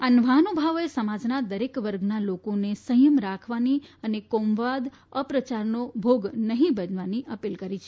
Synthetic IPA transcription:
anəʋaɦnobʱaʋesəmad͡ʒnad̪əɾekʋəɾɡnalokonesəjəmɾakʰʋaniənekomʋad̪ | əpɾət͡ʃaɾnobʱoɡnəɦĩbənʋaniʔəpilkəɾit͡ʃʰe

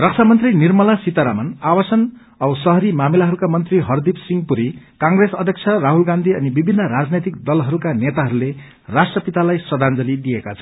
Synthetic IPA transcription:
rʌk̚t͡sʰamʌnt̪rinirmʌlasit̪aɾamʌnawʌsʌn | ʌsʌɦʌɾimamilaɦʌɾukamʌnt̪riɦʌrd̪ipsiŋɡpuɾi | kãŋɡresʌd̪ʱjʌk̚t͡sʰʌraɦulɡand̪ʱiʌnibibʱinːʌɾad͡znet̪ikd̪ʌlɦʌɾukanet̪aɦʌɾule | rasʈrʌpit̪alajsʌd̪ʱand͡zʌlid̪ijekat͡sʰʌ

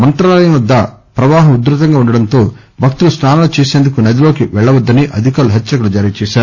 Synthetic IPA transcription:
mɐnt̪ɾaːlɐːɐjɐnɐd̪ːɐ | pɾɐʋaːɦɐmud̪ɾut̪̬ɐŋɡaːuɳɖɐɽɐnt̪o̞ː | bʱɐk̚t̪ulusnaːnɐlot͡ʃeːseːnd̪ukunɐd̪iloːkiʋɛɭːɐʋɐd̪ːɐniʔɐd̪ʱikaːluɦet͡ʃːɐkulud͡ʒaːɾiːɐt͡ʃɛːʃaːɾu

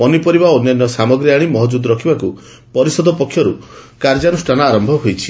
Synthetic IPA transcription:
ɔnipɔɾibaɔnjɔnjɔsamɔɡɾiaɽ̃imɔɦɔd͡ʒud̪ɔɾɔkʰibaku | pɔɾisɔd̪ʱɔpɔkʰːjɔɾukaɾd͡ʒanusʈʰanɔaɾɔmbʱɔɦojt͡ʃʰi̥

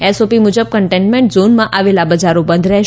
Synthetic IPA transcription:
esopimud͡ʒəb̚kəɳʈẽɳʈmẽɳʈzonmãʔaʋelabəd͡ʒaɾõbə̃nd̪ʱɾɛɦʃ

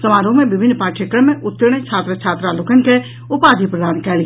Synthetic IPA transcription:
sɐmaːɾõmẽbɪbʱɪnːpaːʈʰəkəmẽʔʊt̪ːəɾɽ̃et͡ʃʰaːt̪ɾət͡ʃʰaːt̪ɾaloːkənɪ̆ke | ʊpaːd̪ʱipɾəd̪aːnkɛːli

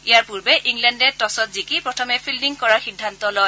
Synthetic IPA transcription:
ijaɹpuɹbɛʔiŋlɛndɛtɔsɔtzikipɹɔtʰɔmɛpʰildiŋkɔɹaɹxidʱːant̪ɔlɔj

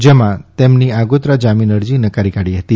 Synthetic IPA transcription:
d͡ʒemãt̪emniaɡot̪ɾad͡ʒaminəɾd͡ʒinəkaɾikaɽiɦət̪i

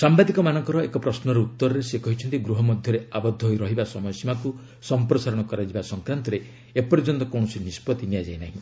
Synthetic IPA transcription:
sambad̪ikɔmanɔŋkɔɾɔekɔpɾɔsnɔɾeut̪ːɔɾɔɾesekɔɦit͡ʃʰɔnt̪iɡɾuɦɔmɔd̪ʱjɔɾeabɔd̪ʱːɔɦojɾɔɦibasɔmɔjɔsimaku | sɔmpɾɔsaɾɔɽ̃ɔkɔɾad͡ʒibasɔŋkɾant̪ɔɾe | epɔɾid͡ʒɔnt̪ɔkoɽ̃ɔsinispɔt̪iniad͡ʒajnaɦĩ

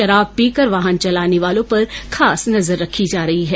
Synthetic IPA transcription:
ʃɐɾaːb̚piːkəɾʋaːɦənt͡ʃɐlaːneʋaːlõpɐɾxʰaːsnɐzəɾːɐkʰid͡ʒaːɾɐɦiɦɛː

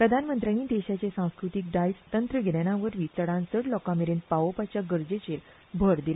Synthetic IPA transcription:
pɾəd̪ʱanmənt̪ɾaniːd̪eɕat͡ɕesãw̃skɾut̪ik̚ɖajst̪ənt̪ɾəɡʱeljañaʋəɾʋit͡səɽãnt͡səɽlɔkãmeɾenpaopat͡ɕjaɡəɾd͡ʑet͡ɕel | bʱəɾd̪il

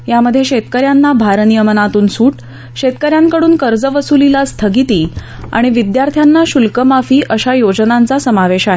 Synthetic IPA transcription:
jaməd̪ʱːjeɕet̪kəɾjanːabʱaɾnijəmənat̪uːnsuːʈ | ɕet̪kəɾjaŋkəɽuːnkəɾd͡zəʋəsulilast̪ʰəɡit̪iː | a̰ɽ̃iʋid̪jaɾt̪ʰjanːaɕulkəmafiːʔəɕajod͡znãnt͡sasəmaʋeɕaɦe

